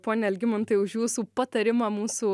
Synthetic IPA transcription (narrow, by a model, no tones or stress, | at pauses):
poːnʲɛɛlʲɡʲɪmɐnt̪ɐɪʊʒjuːsuːpɐt̪ɐɾʲɪmɑːmuːsʊ